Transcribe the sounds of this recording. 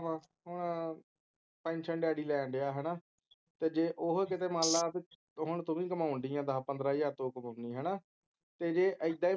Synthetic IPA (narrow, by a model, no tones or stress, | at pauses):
ã | ɦʊɳ | pɛ̃ːnt͡ʃʰəɳɖaːɽiːlɛːɳɖeaːɦɛːnaː | t̪eːd͡ʒeːʔʊɦkɪt̪eːmãːlːaːpi | ɦʊɳt̪ʊmĩːkəmaːʊɳd̪iːãːd̪aːpənd̪ɾaːjaːt̪oːkəmaːʊniːɦɛːnaː | t̪eːd͡ʒeːʔəɪd̪aːiː